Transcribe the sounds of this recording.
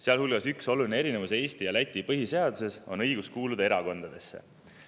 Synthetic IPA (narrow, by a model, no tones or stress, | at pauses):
seɑlhulɡ̥ɑsykso̞lulineeɾine̞vuse̞ːst̪ijɑlæt̪ʲːˑipɤɦise̞ɑd̪̥use̞so̞̰nɤjɡ̥uskuːlud̪ɑe̞ɾɑko̞nd̪̥ɑd̪̥e̞sːe̞̰